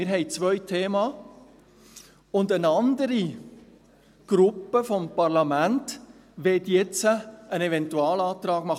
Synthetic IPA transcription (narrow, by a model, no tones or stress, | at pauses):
ɪɾɦɛɪt͡sʋœjtʰeːmɑ | ʊndənɑnd̪əɾi | ɡ̥ɾʊpːəfompɑɾlɑmænt | ʋɛtjɛt͡səːnɛvɛntuɑːlɑːtɾɑːɡ̥mɑχ